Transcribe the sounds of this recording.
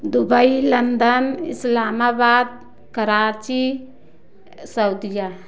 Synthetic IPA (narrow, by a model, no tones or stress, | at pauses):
d̪ʊbəilɐnd̪ənɪ̰slaːmaːbaːd̪̚ | kəɾaːt͡ʃi | sɐʊd̪ija